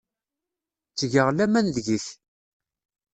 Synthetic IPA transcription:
t͡sːʝəʁlæmænðʝiθ

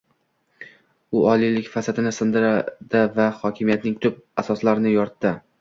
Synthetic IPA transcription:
ʊɒlijlɪkʲfasat̪ʰɪnɪsɪnd̪ɪɾad̪̥avahɒkʲʰɪmijat̪nɪŋt̪ʰʊp̚asɒslaɾnɪjɒɾt̪ːɪ

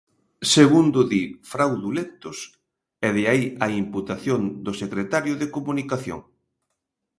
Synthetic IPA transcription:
seɣund̪ʊðifɾawðulent̪ʊs | ɛðeaiɐimput̪aθjond̪ʊsekɾet̪aɾjʊðekomunikaθjo̰ŋ

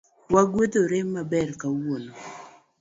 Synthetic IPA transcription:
waɡwed̪oɾɪmːabɛrkawono

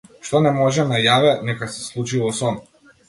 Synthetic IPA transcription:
ʃt̪ɔnɛmɔʒɛnajavɛnɛkasɛ̥slˠut͡ʃivɔsɔn

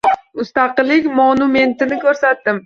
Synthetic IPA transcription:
mʊst̪ɑqɨlːɪkʲmonʊme̞nt̪ɪnɪkʲʰɵɾsat̪d̪ɪm

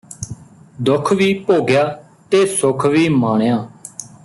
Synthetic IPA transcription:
d̪ʊkʰʋiːpoːɡjaː | t̪eːsʊkʰʋiːmaːɳjaː

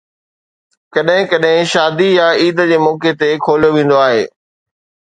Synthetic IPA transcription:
kɐɗɦɪ̃kɐɗɦɪ̃ʃaːd̪ijaiːd̪d͡ʑeːmɔːket̪ekʰoːlijoʋẽːn̆d̪oaːɦḛː

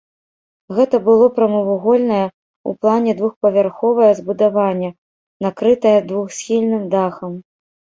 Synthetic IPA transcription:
ɣɛt̪ɐbɨlˠɔpɾɐmɐvuɣɔlʲnɐjɐ | ṵplˠanʲɛd̪vuxpɐvʲarxɔvɐjɐzbud̪avanʲːɐ | nakɾɨt̪ɐjɐd̪vuxsʲxʲilʲnɨmd̪axɐm

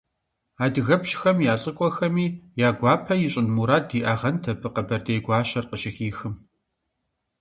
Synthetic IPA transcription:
aːdɨɣɐpɕxɐmjaːɬʼɨkʷʼɔxɐmiːjaːɡʷɑːpʰɐjɪɕʼɪnmuːɾaːdiːʔaʁɐntʰɐpʰɨqɐbɐrdejɡʷɑːɕɐrqəɕɪxiːxɨm

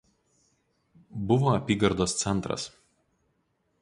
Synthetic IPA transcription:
bʊʋoːɐpʲiːɡɐɾd̪oːst̪sʲɛnˑt̪ɾɐ̰s

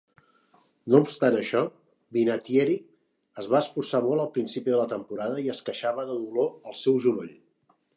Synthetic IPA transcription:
noupst̪anəʃɔ | binat̪jeɾi | əzβaəsfursamɔlˠəlˠpɾinsipiðələt̪əmpuɾaðəiəskəʃaβəðəðuloəlˠsɛwʒuloʎ

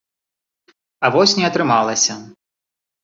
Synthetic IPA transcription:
ɐvɔsʲnʲɛɐt̪ɾɨmalˠɐsʲɐ

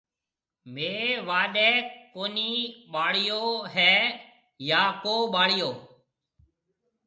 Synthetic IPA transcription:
meːʋaːɗɛːkoːniːɓaːɽɪjoːɦɛː | jaːkoːɓaːɽɪjoː

